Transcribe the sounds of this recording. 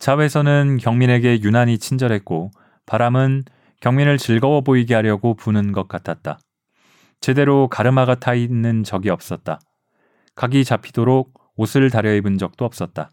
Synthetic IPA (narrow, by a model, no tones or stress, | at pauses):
t͡ɕawe̞sʰʌnɯnkjʌŋmine̞ɡe̞junaɲit͡ɕʰind͡ʑʌɾɦe̞t̚k͈o | paɾamɯn | kjʌŋminɯɭt͡ɕɯɭɡʌwʌboiɡeɦaɾjʌɡopunɯnɡʌk̚k͈atʰat̚t͈a | t͡ɕe̞de̞ɾokaɾɯmaɡatʰainːɯnt͡ɕʌɡiʌp̚s͈ʌt̚t͈a̰ | kaɡit͡ɕapʰidoɾok̚ | osʰɯɭtaɾjʌebɯnd͡ʑʌk̚t͈oʌp̚s͈ʌt̚t͈a